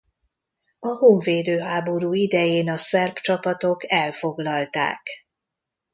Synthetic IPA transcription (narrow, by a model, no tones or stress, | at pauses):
ɒhoːɱveːd̪øːɦaːbo̞ɾuːid̪ɛjeːnɒsɛrpt͡ʃɒpɒt̪o̞kɛlfo̞ɡlɒlt̪a̰ːk